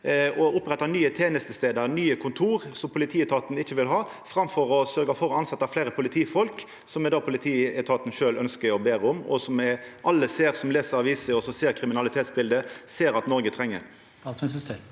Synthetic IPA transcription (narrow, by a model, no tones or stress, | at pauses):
ɔʊpʁɛt̪ːɑnyːət̪ʰeːnəst̪əst̪eːd̪əɾnyːəkʰʊnt̪ʰuːɾsɔmpʰʊlɪt̪ʰiːɛt̪ʰɑːt̪nɪçːəʋɪlɦɑː | fɾɑmfɔɾɔsœɾɡɑfɔɾɔɑnsɑt̪ːɑfleːɾəpʰʊlɪt̪ʰiːfɔlk | sɔmɛd̪ɑːpʰʊlɪt̪ʰiːɛt̪ʰɑːt̪ən̩ʃøːlœnskəɾɔbeːɾəʊmɔ̰sɔmɛʔɑlːəseːɾsɔmleːsəɾɑʋiːsəɔsɔseːɾkʰɾɪmɪnɑlɪt̪ʰeːt̪sbɪld̪əseːɾɑt̪nɔɾɡət̪ʰɾɛŋːə̰ɾ